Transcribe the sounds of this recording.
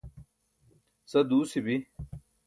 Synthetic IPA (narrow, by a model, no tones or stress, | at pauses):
sɐd̪uːsibi